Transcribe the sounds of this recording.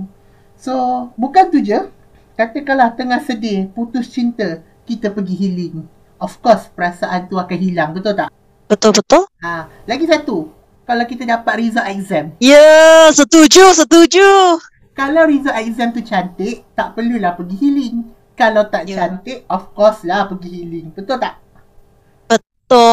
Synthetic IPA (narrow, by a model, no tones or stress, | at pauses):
sobukant̪ud͡ʒə | kat̪əkalat̪əŋahsədeput̪ʊst͡ʃint̪ə | kit̪əpəɡiɦilɪŋ | ɔfkɔspəɾasaʔant̪uakanɦilaŋbət̪ʊlt̪aʔ | b̥ət̪ʊlbət̪ʊla | laɡisat̪u | kalawkit̪ədapat̪̚rizaʔak̚zɛmjəsət̪ud͡ʒus̬ət̪ud͡ʒu | kalawɾizaʔakzɛmt̪ut͡ʃant̪ɪʔt̪aʔpərlulahpəɡiɦilɪŋ | kalawt̪aʔt͡ʃant̪ɪʔɔfkɔslahpəɡiɦilɪŋbət̪ʊlt̪aʔ | b̥ət̪ʊ